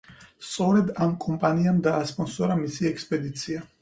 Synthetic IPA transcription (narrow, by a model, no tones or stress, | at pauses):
sʼɔɾɛd̪amkʼɔmpʼaniamd̪aːspʼɔnsɔɾamisiɛksped̪it̪sia